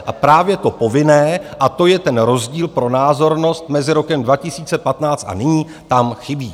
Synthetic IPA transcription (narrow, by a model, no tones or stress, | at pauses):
ʔapɾaːvjɛt̪o̞po̞vɪnɛːʔat̪o̞jɛt̪ɛnɾo̞zɟiːlpɾo̞naːzo̞ɾno̞st̪̚mɛzɪɾo̞kɛmdvacɪsiːt͡sɛpat̪naːt͡st̪ʔa̰nɪɲiː | t̪amxɪbiː